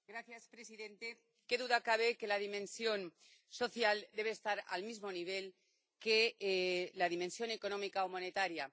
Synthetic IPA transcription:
ɡɾaθjaspɾe̞siðẽ̞nt̪e̞ | ke̞ðuðakaβe̞ke̞laðimẽ̞nsjo̞n | so̞θjald̪e̞β̞e̞ːst̪aɾa̰lmizmo̞niβ̞e̞l | ke̞ | lað̞imẽ̞nsjo̞ne̞ko̞nõ̞mikaomo̞ne̞t̪aɾja

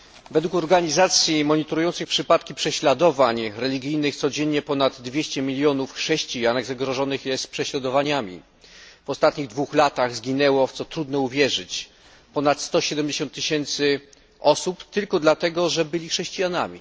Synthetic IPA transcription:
vɛd̪wukɔɾɡaɲizat̪sʲjimɔɲit̪ɔɾujɔnt̪sɨxpʂɘpat̪kʲipʂɛɕlad̪ɔvaɲɾɛlʲiɡʲijnɘxt̪sɔd͡ʑɛɲːɛpɔnad̪ːvʲjɛɕt͡ɕɛmʲilʲjɔnufxʂɛɕt͡ɕijanɛɣzaɡɾɔʐɔnɘxjɛst̪pʂɛɕlad̪ɔvaɲamʲḭ | vɔst̪at̪ɲiɣd̪vuxlat̪aɣzɡʲinɛwɔft̪sɔt̪ɾud̪nɛuvʲjɛʐɘt͡ɕ | pɔnat̪st̪ɔɕɛd̪ɛmd͡ʑeɕɔ̃nt̪ːɘɕɛnt̪sɘ | ɔsupt̪ɘlkɔd̪lat̪ɛɡɔʐɛbɘlʲixʂɛɕt͡ɕijana̰mʲḭ

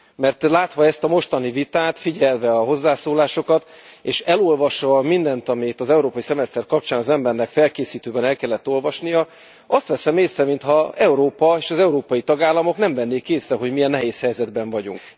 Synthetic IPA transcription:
mɛrt̪laːt̪ʋɒɛst̪ɒmo̞ʃt̪ɒnivit̪aːt̪fiɟɛlvɛɒɦo̞zːaːsoːlaːʃo̞kɒt̪eːʃɛlo̞lvɒʃʋɒmind̪ɛnt̪ɒmit̪ɒzɛuɾoːpɒjisɛmɛst̪ɛrkɒp̚t͡ʃaːnɒzɛmbɛrnɛkfɛlkeːsiːt̪øːbɛnɛlkɛlːɛt̪ːo̞lvɒʃnijɒ | ɒst̪ʋɛsɛmeːsrɛmint̪hɒɛuɾoːpɒeːʃɒzɛuɾoːpɒjit̪ɒɡaːlːɒmo̞knɛɱvɛnːeːkeːsrɛɦo̞ɟmijɛnːɛɦeːshɛjzɛd̪bɛɱvɒɟṵŋk

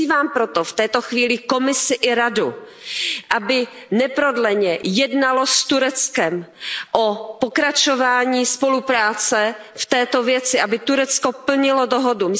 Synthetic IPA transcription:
iːvaːmpɾot̪oft̪ɛːt̪oxviːlɪko̞mɪsɪʔɪɾadu | ʔabɪ | nɛpɾodlɛɲɛjɛdnalost̪uɾɛt͡skɛmʔopokɾat͡ʃovaːɲiːspolupɾaːt͡sɛ | ft̪ɛːt̪ovjɛt͡sɪʔabɪt̪uɾɛt͡skopl̩ɲɪlodoɦodum

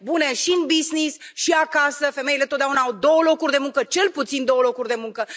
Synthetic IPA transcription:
bune̞ʃiɨnbisnisʃiakasəfe̞me̞ilet̪ot̪d̪ʲaunaawd̪o̞wəlo̞kurʲd̪e̞muŋkət͡ʃe̞lput̪sind̪o̞wəlo̞kurʲd̪e̞muŋkə

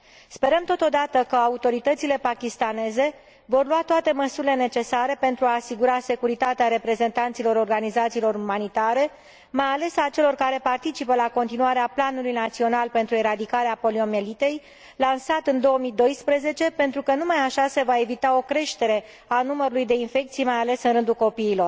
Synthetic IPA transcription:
spe̞ɾəmt̪o̞t̪o̞d̪at̪əkəaut̪o̞ɾit̪ət̪sile̞pakʲist̪ane̞ze̞ | vo̞rluat̪oat̪e̞məsuɾile̞ne̞t͡ʃe̞saɾe̞pe̞nt̪ɾuaːsiɡuɾaːse̞kuɾit̪at̪eaɾe̞pɾe̞ze̞nt̪ant̪silo̞ɾo̞rɡanizat̪siːlo̞ɾumanit̪aɾe̞ | majale̞sat͡ʃe̞lo̞rkaɾe̞part̪it͡ʃipəlako̞nt̪inuaɾeaplanulujnat̪sio̞nalpe̞nt̪ɾue̞ɾad̪ikaɾeapo̞lio̞me̞lit̪e̞j | lansat̪ɨnd̪o̞omid̪o̞jspɾəze̞t͡ʃe̞pe̞nt̪ɾukənumajaʃase̞vae̞vit̪ao̞kɾe̞ʃt̪e̞ɾe̞ | anuməɾulujd̪e̞infe̞k̚t̪sijmajale̞sɨnɾɨnd̪ulko̞piːlo̞r

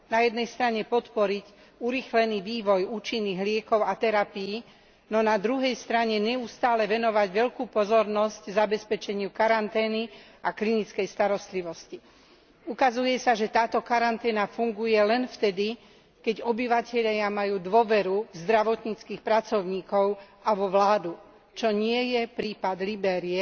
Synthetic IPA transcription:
najɛd̪nɛjst̪ɾaɲɛpɔt̪pɔɾic | uɾiːxlɛniːʋiːʋɔjuːt͡ʃinːiːɣlɪɛkɔʊat̪ɛɾapiji | nɔnad̪ɾuɦɛjst̪ɾaɲɛɲɛust̪aːlɛʋɛnɔʋaɟʋɛʎkuːpɔzɔɾnɔsɟzabɛspɛt͡ʃɛɲɪukaɾant̪ɛːniaklinit͡skɛjst̪aɾɔst̪liʋɔsci | ukazujɛsaʒɛt̪aːt̪ɔkaɾant̪ɛːnafuŋɡujɛlɛnft̪ɛd̪i | kɛɟɔbiʋacɛʎɪamajuːd̪ʊɔʋɛɾuvzd̪ɾaʋɔt̪ɲit͡skixpɾat͡sɔʊɲiːkɔʊʔaʋɔʋlaːd̪u | t͡ʃɔɲɪɛjɛpɾiːpad̪libɛːɾiɛ

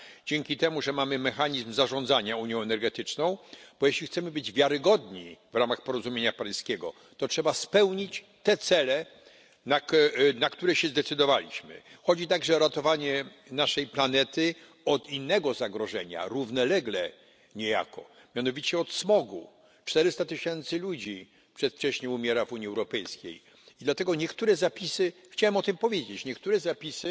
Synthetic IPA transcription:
d͡ʑɛŋkʲit̪ɛmuʐɛmamɘmɛxaɲizmzaʐɔ̃nd̪zaɲauɲjɔ̃w̃ɛnɛɾɡɛt̪ɘt͡ʂnɔ̃w̃b̥ɔjeɕlʲixt̪sɛmɘbɘd͡ʑvʲjaɾɘɡɔd̪ɲivɾamaxpɔɾɔzumʲjeɲapajskʲɛɡɔ̰ | t̪ɔtʂɛbaspɛwɲit͡ɕ | t̪ɛt̪sɛlɛ | naknakt̪uɾɛɕɛzd̪ɛt̪sɘd̪ɔvalʲḭɕmɘ̰xɔd͡ʑit̪aɡʐɛɔɾat̪ɔvaɲɛ | naʂɛjplanɛt̪ɘ | ɔt̪inːɛɡɔzaɡɾɔʐɛɲa̰ɾuvnɛlɛɡlɛ | ɲɛja̰kɔ̰ | mʲjanɔvʲit͡ɕɛɔt̪smɔɡṵ | t͡ʂt̪ɛɾɪst̪at̪ɘɕɛnt̪sɘlud͡ʑi | pʂɛt̪ft͡ʂɛɕɲɛumʲjɛɾavuɲiɛwɾɔpɛjskʲḛj | id̪lat̪ɛɡɔɲɛkt̪uɾɛzapʲisɘxt͡ɕawɛmɔt̪ɘmpɔvʲjed͡ʑet͡ɕɲɛkt̪uɾɛzapʲisɘ

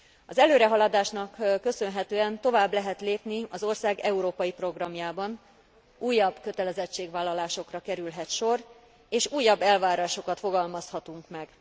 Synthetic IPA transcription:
ɒzɛløːɾɛɦɒlɒd̪aːʃnɒkːø̞sø̞nɦɛt̪øːɛnt̪o̞vaːblɛɦɛt̪leːpniɒzo̞rsaːɡɛuɾoːpɒjipro̞ɡrɒmjaːbɒn | uːjːɒbkø̞t̪ɛlɛzɛt͡ʃːeːɡvaːlːɒlaːʃo̞krɒkɛɾylɦɛt̪ʃo̞r | eːʃuːjːɒbːɛlvaːɾaːʃo̞kɒt̪fo̞ɡɒlmɒshɒt̪uŋkmɛɡ

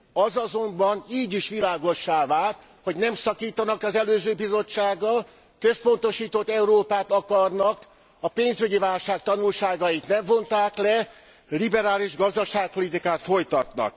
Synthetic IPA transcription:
ɒzɒzo̞mbɒniːɟiʃʋilaːɡo̞ʃːaːvaːlt̪ | ho̞ɟnɛmsɒkiːt̪ɒnɒkɒzɛløːzøːbizo̞t͡ʃːaːɡːɒl | kø̞spo̞nt̪o̞ʃiːt̪ot̪ːɛuɾoːpaːt̪ɒkɒrnɒk | ɒpeːnzyɟivaːlʃaːk̚t̪ɒnulʃaːɡɒjit̪nɛɱvo̞nt̪aːklɛ | libɛɾaːliʒɡɒzd̪ɒʃaːk̚po̞lit̪ikaːt̪fo̞jt̪ɒt̪nɒ̰k̚

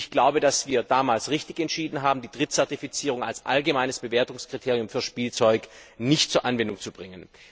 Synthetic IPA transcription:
çɡ̥laʊbədasv̥iːɐdaːmaːlsʁɪçtɪçɛntʃiːdn̩ɦaːbm̩diːd̥ʁɪtt͡sɛɐtifit͡siːʁ̞ʊŋa̰lsʔa̰lɡəmaɪnəsb̥əveːɐtʊŋskʁ̥itʰeːʁijʊmfyːɐʃpiːlt͡sɔʏknɪçtt͡suːɐʔanvɛndʊŋt͡subʁɪŋən

